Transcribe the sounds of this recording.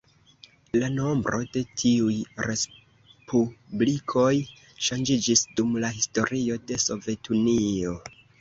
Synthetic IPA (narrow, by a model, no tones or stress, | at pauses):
lano̞mbɾo̞de̞tʰiujɾe̞s | publikʰo̞j | ʃand͡ʒid͡ʒisdumlaɦisto̞ɾio̞de̞so̞ve̞tʰunio̞